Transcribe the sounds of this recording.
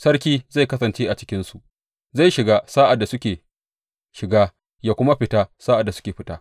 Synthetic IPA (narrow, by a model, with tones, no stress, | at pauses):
sɐ˦rkʲiː˦za˦˨jkɐ˦sɐ˨nt͡ʃeː˦ʔa˨t͡ʃɪ̥˦kʲɪ˦nsu˨ʔ | za˦˨jʃɪ˨ɡaː˦saː˦ʔa˨dːa˨sʊ˦kʲeː˨ | ʃɪ˨ɡaː˦ | jaː˦kʷʊ˦ma˦ɸɪ˦ta˦saː˦ʔa˨dːa˨sʊ̥˦kʲeː˨ɸɪ˦taː˦